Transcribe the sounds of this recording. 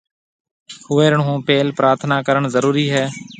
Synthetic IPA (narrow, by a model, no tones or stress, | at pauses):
hʊʋeːɾəɳɦũːpeːlpɾaːɾt̪ʰnaːkəɾəɳzəɾuːɾiːɦɛː